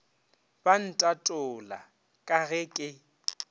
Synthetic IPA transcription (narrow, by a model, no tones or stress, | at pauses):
b̥an̩tʼatʼʊla̰ | kʼaɣɛkʼɪ